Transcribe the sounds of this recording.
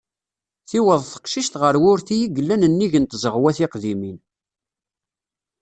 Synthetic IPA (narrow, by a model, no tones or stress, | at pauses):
θiwəðˤθə̥qʃiʃt̪ʁəɾwʊɾθijiɡəlːænənːiʝənt̪zəʁwæθɪqðimin